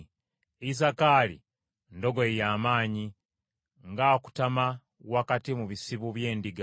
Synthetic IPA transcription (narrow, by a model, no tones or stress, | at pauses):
is̬akaːlḭ | ndo̞ɡoejaːmaːɲi | ŋɡaku̥tama | wakatimuβisiβuβje̞ːndiɡa